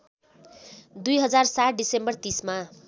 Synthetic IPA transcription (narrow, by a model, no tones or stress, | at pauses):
d̪ujɦʌd͡zarsaʈ̚ʰɖisembʌrt̪isma